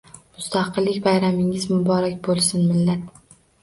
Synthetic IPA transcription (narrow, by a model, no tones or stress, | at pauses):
mʊst̪ʰaqɨlːɪkʲbajɾamɪŋɪzmʊbɒɾakʲbolˠsʊnmɪlːat̪̚